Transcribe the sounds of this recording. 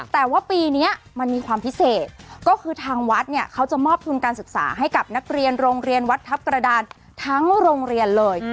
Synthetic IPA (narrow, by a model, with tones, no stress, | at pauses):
t̪ɛː˨˩waː˥˩piː˧ni˦˥ɐ | ma˧nmiː˧kʰwaː˧mpʰi˦˥seː˨˩t̪̚kɔː˥˩kʰɯː˧t̪ʰaː˧ŋwa˦˥t̪̚ni˥˩əkʰa˦˥wt͡ɕa˨˩mɔː˥˩p̚t̪ʰu˧nkaː˧nsɯ˨˩k̚sa̰ː˩˦ɦa˥˩jka˨˩p̚na˦˥k̚ɾi˧ənɾoː˧ŋɾi˧ənwa˦˥t̪ʰːa˦˥p̚kɾa˧daː˧n | t̪ʰa˦˥ŋɾoː˧ŋɾi˧ənlɤː˧j